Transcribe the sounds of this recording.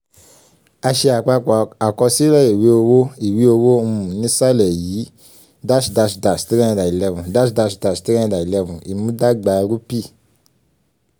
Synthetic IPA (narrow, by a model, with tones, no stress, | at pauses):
a˧ʃe˧a˨k͡pa˧˨a˨kɔ˧si˦lɛ˦ji˨wi˨˦o˧wo˦i˨wi˨˦o˧wo˦u˧mũ˨nĩ˦sa˦lɛ˨jiː˨˦ | da˦ʃda˧ʃda˨sti˦ɾɛ˦ã˧da˨i˨lɛ˧vũ˨da˦ʃda˧ʃda˨sti˦ɛ̃˦˧da˨i˨lɛ˧vũ˨i˨mũ˦da˦ɡ͡ba˧˦˧ɾu˦pi˦˨